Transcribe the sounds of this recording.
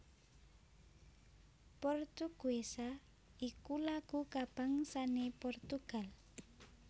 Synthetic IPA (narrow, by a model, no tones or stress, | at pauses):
pɔrt̪uɡ̥uesa | ikulaɡ̥ukab̥a̤ŋsanepɔrt̪uɡ̥a̤l